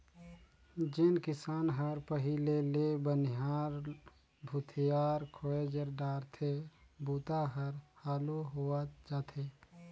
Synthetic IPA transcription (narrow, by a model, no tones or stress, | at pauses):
d͡ʒɪnkɪsaːnɦəɾpəɦilelebənɪɦaːɾ | bʱut̪ʰijaːɾkʰoed͡ʒəɾɖaːɾt̪ʰebuːt̪aɦəɾhaːluɦoad͡ʒaːt̪ʰeː